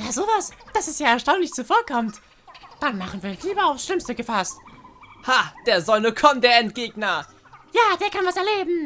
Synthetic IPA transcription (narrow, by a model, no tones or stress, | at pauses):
jaːzoːvasd̥asɛsjaːɛɐʃtaʊnlɪçt͡sufoːɐkʰɔmt | d̥anmaχən̩viːɐɪnliːbɐaʊfsʃlɪmstəɡəfasthad̥eːɐzɔnəkʰɔmdeːɐɛntɡ̥eːɡnɐ | jaːd̥eːɐkʰanvasɛɐleːbm̩